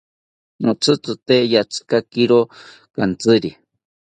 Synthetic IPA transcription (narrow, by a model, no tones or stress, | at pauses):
not͡sʰɨt͡sɨt̪ejat͡sʰɨ̥kakiɾo | kant͡sɨɾi